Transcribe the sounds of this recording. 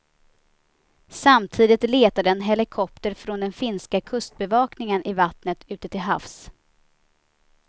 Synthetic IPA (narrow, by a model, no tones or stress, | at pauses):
samt̪ʰiːd̪ɪt̪leːt̪ad̪əɛnɦɛlɪkʰɔp̚t̪əɾfɾɔnd̪ɛnfɪnskakʰɵst̪̚bɛvɑːknɪŋənʔɪvat̪nət̪ʉ̟ːt̪ət̪ʰɪlɦa̰fs